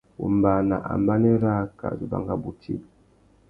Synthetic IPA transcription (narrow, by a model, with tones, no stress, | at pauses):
ṵ˨m˨ba˨na˨ʔa̰˨m˦ba˦nɛ˦ɾa˦ka̰˨zi˨ba̰˨ŋɡa˨bu˨tʰḭ˦p̚